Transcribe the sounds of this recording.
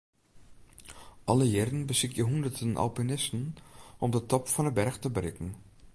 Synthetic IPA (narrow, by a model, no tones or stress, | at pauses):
ʔɑləjɪrən̩bəsɪkjəɦundərdənʔɔ̰lpinɪstən̩ɔmdətɔpfɔnəbɛrxtəbrɪkn̩